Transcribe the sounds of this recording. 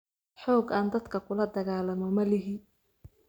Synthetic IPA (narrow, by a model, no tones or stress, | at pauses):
ħɔːɡaːnd̪ɐd̪kʰɐkʰʊlɐd̪ɐɣaːlɐmɔmɐlɪɦin